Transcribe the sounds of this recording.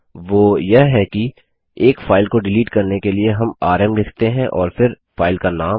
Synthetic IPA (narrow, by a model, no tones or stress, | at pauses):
ʋoːjɐɦɦɛki | eːkfaːɪlkoɖɪliːʈkɐɾnekelieɦɐmaːɾɛmlɪkʰt̪eɦɛ̃ʔɔːɾfɪɾ | faːɪlkanaː